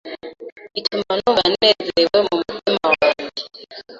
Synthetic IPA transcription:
itumanuŋɡanezewemumutimawaːɲi

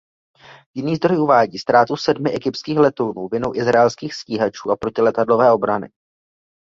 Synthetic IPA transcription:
jɪniːzd̪ɾo̞juvaːɟiːst̪ɾaːt̪usɛdmɪʔɛɡɪpt̪skiːxlɛt̪ownuːvɪnowʔɪzɾaɛlskiːxsciːɦat͡ʃuːapɾo̞cɪlɛt̪adlo̞vɛːʔo̞bɾanɪ̰

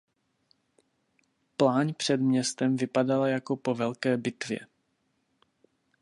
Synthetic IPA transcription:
plaːɲpr̝̥ɛd̪mɲɛst̪ɛmvɪpadalajako̞povɛlkɛːbɪt̪vjɛ̰

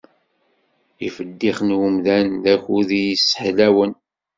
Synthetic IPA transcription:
ifəd̪ːiχnwəmðænðæçuðijisːə̥ħlæwən

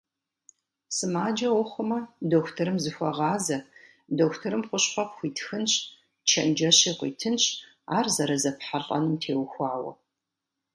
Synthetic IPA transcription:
sɨmaːd͡ʒɐwʊχʷʊmɐdoːxʷtʰɐɾɨmzɨxʷɔʁɑːzɐ | doːxʷtʰɐɾɨmqʷʊɕχʷɔpxʷiːtʰxɨnɕ | t͡ʃʰɐnd͡ʒɐɕiːqʷḭːtʰɨnɕ | aːrzɐɾɐzɐpħaɬʼɐ̰nɨmtʰeːwxʷɑːwɐ̰

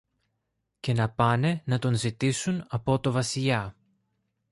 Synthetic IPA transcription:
ce̞nɐpɐne̞nɐt̪o̞nzit̪isunɐpo̞t̪o̞vɐsiʎɐ

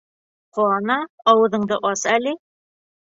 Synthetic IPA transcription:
quɑnɑɒwɤ̆ðɤ̆ɴd̪ɤʔɒsælɘ

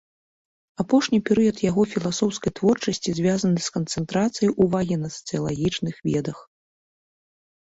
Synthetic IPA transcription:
apɔʂnʲipʲɛɾɨjɐt̪jaɣɔfʲilˠasɔwskɐjt̪vɔrt͡ʂɐsʲt͡sʲizʲvʲazɐnɨskɐnt̪sɛnt̪ɾat̪sɨjɐjʔuvaɣʲinɐsɐ̥t̪sɨjɐlˠaɣʲit͡ʂnɨxvʲɛd̪ɐx

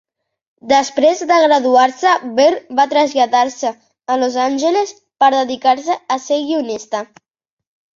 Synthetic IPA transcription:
d̪əspɾezd̪əɣɾəðuaɾsəβeɾbat̪ɾəzʎaðaɾsəː | lozanʲʒəles | pəɾðəðikaɾs̬əːseɣiunist̪ə

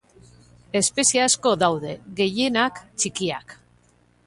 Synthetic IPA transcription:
e̞spe̞siasko̞ðawðe̞ɣe̞je̞nakt͡ʃikiak

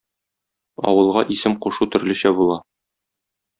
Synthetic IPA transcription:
ɒ̰wɤ̆lˠʁɑʔisɘmquʃut̪ɵ̆ɾlɘ̆ɕæbulˠɑ

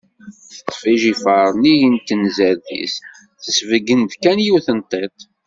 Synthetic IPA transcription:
θət͡sːfiʒifəɾˤnijint̪ːənzæɾðḭs | θəsvəɡənd̪kænjuθənt̪ˤːet̪ˤ

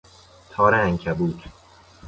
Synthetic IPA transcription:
t̪ʰɒːɾææŋkʰæbuːd̪

